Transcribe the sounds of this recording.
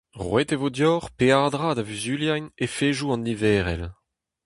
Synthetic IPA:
ʁwɛtevodjɔʁpeaːdʁad̪avyzyljajnefeːʒuɑ̃nivɛːʁɛ̰l

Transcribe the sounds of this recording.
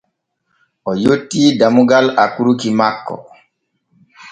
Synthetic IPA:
ʔɔjotːiːdamuɡalakuɾukimakːɔ̰

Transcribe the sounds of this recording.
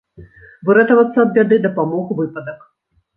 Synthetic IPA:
bɨɾɛt̪ɐvɐt̪sːɐɐb̪bʲad̪ɨd̪ɐpamɔɣuvɨpɐd̪ɐk

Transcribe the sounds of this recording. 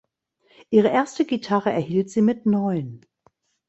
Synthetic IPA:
ʔiːʁ̞əʔeːɐstəɡitʰaʁəɛɐhiːltz̥iːmɪtnɔʏən

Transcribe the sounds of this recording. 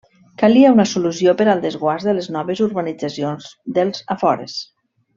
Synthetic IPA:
kaliaunasulusiopəɾalˠd̪əzɣwazðələznɔβəzuɾβanid͡zasionzd̪əlˠz̥afɔɾḛs

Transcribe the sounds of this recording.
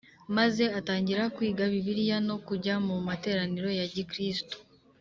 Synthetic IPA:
maze̞ataːɲɟiɾakwiːɡaβiβiɾjano̞kuɟamumate̞ːɾaniɾo̞jaɟikɾisto̥

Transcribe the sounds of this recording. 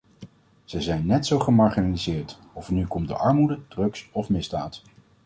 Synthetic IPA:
z̥ɛjzɛjnːɛtsowχəmɑɹχinalizɪːɹt | ɔfnykɔmdə̰ʔɑɹmudədrɵksɔfmɪzda̰ːt

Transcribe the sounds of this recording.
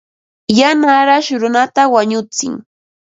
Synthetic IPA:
janaɾaʃɾʊnat̪awaɲʊt͡sɪ̰ŋ

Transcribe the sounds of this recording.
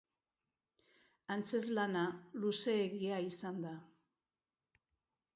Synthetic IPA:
ant͡se̞zlanaluse̞ːɣiaisand̪a

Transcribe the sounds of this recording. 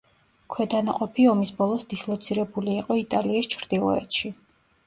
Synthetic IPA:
kʰwɛd̪anaqʼɔpʰiɔmisbɔlˠɔsd̪̥islˠɔt̪sʰiɾɛbuliːqʼɔit̪ʼaliɛst͡ʃʰɾd̪̥ilˠɔ̰ɛ̰t̪ʃi

